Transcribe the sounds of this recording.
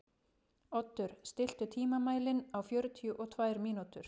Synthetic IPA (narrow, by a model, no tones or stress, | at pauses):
ɔt̪ːʏɾ̥st̪ɪl̥t̪ʏt̪ʰiːmamaːjlɪnawfjœːɾʏt̪ʰijʏʔɔt̪ʰvajɾmiːnut̪ʏɾ̥